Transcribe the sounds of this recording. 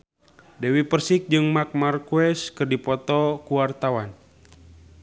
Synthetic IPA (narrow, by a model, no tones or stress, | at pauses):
dɛwipərsik̚d͡ʒɨŋmak̚markuɛskɨrdipɔt̪ɔkuwart̪awan